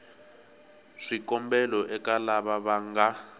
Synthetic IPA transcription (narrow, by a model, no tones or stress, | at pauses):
ʂikɔmbɛlɔʔɛkalaβaβaŋɡa